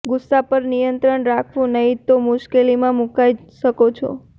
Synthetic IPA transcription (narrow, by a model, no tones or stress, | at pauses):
ɡʊsːapəɾnijənt̪ɾəɳɾakʰʋũnəɦĩt̪omʊʃkelimãmukaiʃəkot͡ʃʰɔ̰